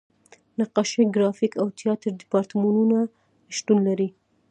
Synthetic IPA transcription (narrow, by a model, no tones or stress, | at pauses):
naqɑʃeɡɾɑfikʰawt̪ʰijɑt̪ɾd̪ɪpɑɾt̪mɑnuna | ʃt̪unlaɾi